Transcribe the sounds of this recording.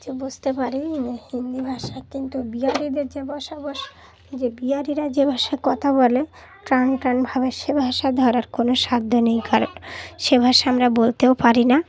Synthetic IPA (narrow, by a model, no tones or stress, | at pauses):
d͡ʑebud͡ʑt̪epaɾihind̪ibʱaʃakint̪ubiaɾid̪eɾd͡ʑebɔʃabɔʃ | d͡ʑebiaɾiɾad͡ʑebʱaʃaekɔt̪ʰabole | ʈɾanʈɾanbʱaβeʃebʱaʃad̪ʱɔɾaɾkonoʃad̪ʱːonejkʰaɾonʃebʱaʃaamɾabolt̪eopaɾina